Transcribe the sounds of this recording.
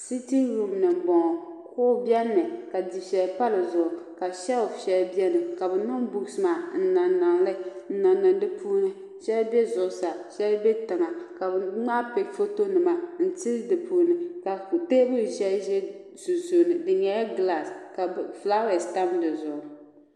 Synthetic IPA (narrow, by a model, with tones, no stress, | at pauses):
si˦ti˦ɾu˦mnɨ˨m˨bɔ˨ŋ˨kʊː˦bjɛ˦nːɨ˨ka˨di˨ʃɛ˨lpa˦lɨ˨zʊ˨ʔʊ˨ka˨ʃɛ˦˨ʃɛ˨lbi˦ɛ˦nɨ˨ka˨bɨ˨nʊ˦ŋbu˦sɨ˨maː˨n̩˦˨naː˨a˨ŋlɨ˦n̩˦na˨nːɨ˨n˦dɨ˦pʰu˦nɨ˦ | ʃɛ˦lbɛ˦zʊ˨ʔʊ˨sa˨ʃɛ˦lbɛ˦tɨ˨ŋa˨ka˨bŋ͡ma˦pe˨fo˦to˦nɨ˨ma˨n̩˦ti˦dɨ˨puː˦nɨ˨ka˨te˦bɨ˦˨ʒɛ˦lʒɛ˦ | zu˨zu˨nɨ˨dɨ˨ɲɛ˨˦ja˦ɡla˨ska˨bfla˦ɛ˨sta˦mdɨ˨zʊ˨ʔʊ˨